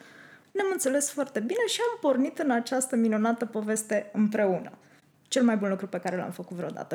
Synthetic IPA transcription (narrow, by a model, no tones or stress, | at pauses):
neamɨnt̪se̞le̞sfoart̪e̞bine̞ʃiampo̞rnit̪ɨnat͡ʃast̪əminunat̪əpo̞ve̞st̪e̞ɨmpɾe̞unə̰ | t͡ʃe̞lmajbunlukɾupe̞kaɾe̞la̰mfəkut̪vɾeod̪a̰t̪ə